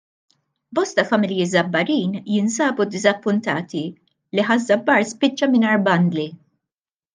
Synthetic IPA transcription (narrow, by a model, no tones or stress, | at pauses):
bɔst̪ɐfɐmɪljɪzɐbːɐɾiːnjɪnsɐːbud̪ɪzɐpːʊnt̪ɐːt̪i | liħɐzːɐbːɐɾspɪt͡ʃːɐmɪnɐɾbɐnd̪li